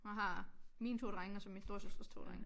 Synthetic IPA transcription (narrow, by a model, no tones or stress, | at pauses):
ɑɦɑ̈miːnt͡sʰo̝ːd̥ʁaŋɒsɒminsd̥o̝ɐ̰søsd̥ʁɐst͡sʰo̰ːd̥ʁaŋ